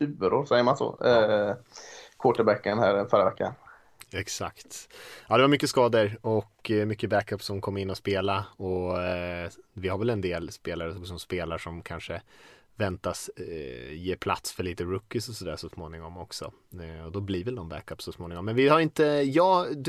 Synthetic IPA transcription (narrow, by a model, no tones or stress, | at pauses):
ʉːbəɾoːɾsɛjəmansɔ̰ː | kʰoːʈəbɛkːənhæːɾfœɾa̰vɛkːa̰n | ɛksa̰kt̪ɑːd̪ɛvaɾmʏkːəskɑːd̪əɾɔkːmʏkːəbækœpːsɔmkʰɔmːɪnːɔspeːlaɔ | vɪhaɾvɛlɛnd̪eːlspeːlaɾəɔkɔsɔmspeːlaʂɔmkʰanʂə | vɛnt̪as | jeːpʰlat̪sfœɭiːt̪əɾɵkːɪsɔsɔd̪æ̰ːʂɔsmoːnɪŋɔmɔksɔ̰ | ɔd̪ɔbliːɾvɛld̪ɔmbæ̰kœpːsɔsmoːnɪŋɔmːɛnvɪhaɾɪnt̪əjɑːd̪